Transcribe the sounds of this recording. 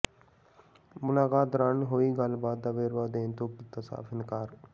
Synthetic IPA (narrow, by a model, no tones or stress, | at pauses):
mʊlaːkaːt̪ɾanɦoːiːɡəlbaːd̪̚d̪aʋeːɾʋaːd̪eːnt̪oːkɪt̪əsa̰ːfɪnkaːɾ